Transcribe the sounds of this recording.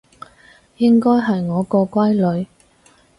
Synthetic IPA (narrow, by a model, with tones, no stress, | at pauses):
jɪ˥ŋkɔː˥jɦɐ˨jŋɔː˨˧kɔː˧kʷɐ˥jlɵ˨˧ɥ